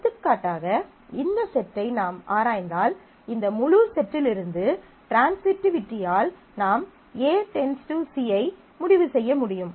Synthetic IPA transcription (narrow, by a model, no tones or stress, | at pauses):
t̪ːɯkːaːʈːaːɣɐ | ɪnd̪ɐsɛʈːɐɪnaːmʔaːɾaːjnd̪aːl | ɪnd̪ɐmʊɻuɾsɛʈːɪlɪɾɯnd̪ɯ | ʈɾaːnsmɪʈːɪʋɪʈːɪjaːl | naːm | eːsɛnsʈusiɐɪ | mʊɽɪʋɯsɛjːɐmʊɽɪjɯm